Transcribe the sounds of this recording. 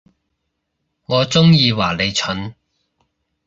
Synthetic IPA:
ŋɔː˨˧t͡sʊ˥ŋjiː˧waː˨˩le˨˧jt͡ʃʰɵ˨˥n

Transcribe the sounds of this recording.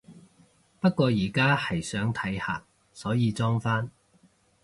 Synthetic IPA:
pɐ˥t̚kʷɔː˧jiː˨˩kaː˥hɐ˨˩jsœː˨˥ŋt̪ʰɐ˨˥jha̰ː˨˩k̚ | sɔː˨˥jiː˨˧t͡sɔː˥ŋfaː˥n

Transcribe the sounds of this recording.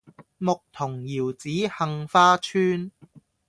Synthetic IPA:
mʊ˨k̚t̪ʰʊ˨˩ŋjiː˨˩wt͡siː˨˥hɐ˧ŋfaː˥t͡ʃʰyː˥n

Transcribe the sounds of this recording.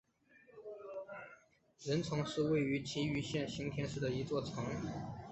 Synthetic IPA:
ɻə˧˥nt͡sʰʊ˧˥ŋʂɻ̩˥˧we˥˩ɪy˧˥t͡ɕʰi˧˥y˧˥ɕjɛ˥˩nɕi˧˥ŋt̪ʰjɛ˥nʂɻ̩˥˩d̪ə˩i˧˥t͡swɔ˥˩t͡sʰɤ˧˥ŋ

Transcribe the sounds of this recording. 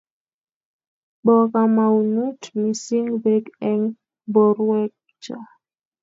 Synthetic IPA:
bɔ˨ka˨ma˨wunu˦tmi˨si˦ŋbekɛŋ | bɔ˨ɾwɛ˦k̚ | d͡ʒa˨

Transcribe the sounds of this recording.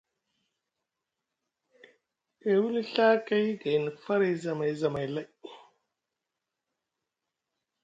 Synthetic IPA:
e˨wu˦li˦ɬa˦ka˦jɡa˨jn˨fa˦ɾa˨˦za˨ma˨jza˨ma˨jla˦j

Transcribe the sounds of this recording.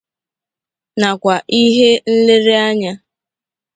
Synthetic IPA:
na˨kʷa˨ʔi˦ɦe˦n̩˦le˦ɾe˦a˦ɲa˦

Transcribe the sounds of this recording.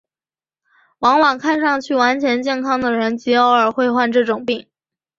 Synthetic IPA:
wɑ˧˥ŋwɑ˨˩ŋkʰa˥˧nʂɑ˥˧ŋt͡ɕʰy˥˩wa˧˥nt͡ɕʰjɛ˧˥nt͡ɕjɛ˥˩nkʰɑ˥ŋd̪ə˨ɻə˧˥nt͡ɕi˧˥ɑ˧˥ʊə˞˨˩xwe˥˧ɪxwa˥˧nʈ͡ʂɤ˥˩ʈ͡ʂʊ˨˩ŋpi˥˩ŋ

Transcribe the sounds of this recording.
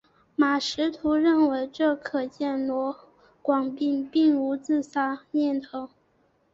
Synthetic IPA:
ma˨˩ʂɻ̩˧˥t̪ʰu˧˥ɻə˥˩nwe˧˥ɪʈ͡ʂɤ˥˩kʰɤ˨˩t͡ɕjɛ˥˩nlwɔ˧˥ | kwɑ˨˩ŋpi˥˧npi˥˩ŋu˧˥t͡sɹ̩˥˩sa˥njɛ˥˩nt̪ʰo˧˥ŋ

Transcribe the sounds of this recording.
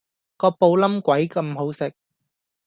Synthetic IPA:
kɔː˧po˧wlɐ˥mkʷɐ˨˥jkɐ˧mɦo˨˥wsɪ˨k̚

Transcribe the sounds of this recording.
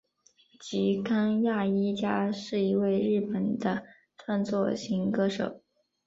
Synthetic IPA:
t͡ɕi˧˥ka˥ŋja˥˩i˥t͡ɕja˥ʂɻ̩˥˩i˧˥we˥˧ɪɻɻ̩˥˩pə˨˩nd̪ə˦ | ʈ͡ʂʰwa˥˧nt͡swɔ˥˩ɕi˧˥ŋkɤ˥ʂɤ̰˨˩˦

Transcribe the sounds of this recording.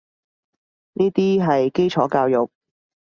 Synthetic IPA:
niː˥t̪iː˥ɦɐ˨jke˥jt͡sʰɔː˨˥kaː˧wjʊ˨k̚

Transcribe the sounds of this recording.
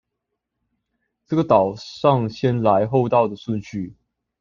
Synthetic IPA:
ʈ͡ʂɤ˥˩ɡə˩t̪ɑ˨˩ʊʂɑ˥˨ŋɕjɛ˥nla˧˦ɪxo˥˧ʊt̪ɑ˥˩ʊd̪ə˩ʂwu˥˧nɕy˥˩

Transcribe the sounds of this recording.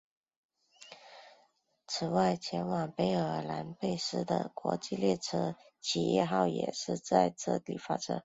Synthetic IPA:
t͡sʰɹ̩˨˩wa˥˩ɪt͡ɕʰjɛ˧˥nwɑ˨˩ŋpe˧˥ɪə˞˨˩la˧˥npe˥˩ɪʂɻ̩˥d̪ə̰˨kwɔ̰˧˥t͡ɕi˥˧ljɛ˥˩ʈ͡ʂʰɤ˧˥ | t͡ɕʰi˨˩jɛ̰˥˧xɑ˥˩ʊjɛ̰˨˩ʂɻ̩˥˧t͡sa˥˧ɪʈ͡ʂɤ˥˩lḭ˨˩fa̰˥ʈ͡ʂʰɤ̰˧˥

